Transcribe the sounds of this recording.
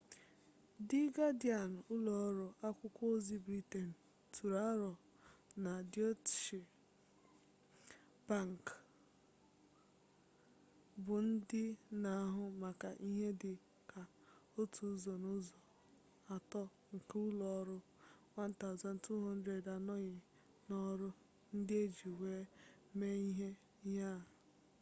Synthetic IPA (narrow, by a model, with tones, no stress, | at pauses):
dɪ˦ɡa˦di˦a˨n̩˨ʊ˦lɔ˨ɔ˦ɾʊ˦ʔa˦kʷʊ˦kʷo˦zi˦bɾi˦te˨n̩˨ | tʰu˨ɾa˦ɾɔ˨ | na˨djɔ˦tʃi˨ | b̥a˦˨ŋ˨k | bʊ˨n̩˦dɪ˦na˨a˦ɦʊ˦ma˨ka˨ʔi˦ɦe˦dɪ˨ | ka˨ | o˦tʰu˨˦zɔ˨nʊ˦zɔ˨ | a˨tɔ˦ | ŋ̩˨ku˦lɔ˨˦ɾʊ˦ | wa˦n̩˦ta˦ʊ˨za˨n̩˨tu˦ɦɔ˦n̩˦dɾe˨da˨nɔ˦ɲɪ˨ | nɔ˦ɾʊ˦ | n̩˦dɪ˦e˦d͡ʒi˨we˦ | me˦i˦ɦe˦ | i˦ɦa˦˨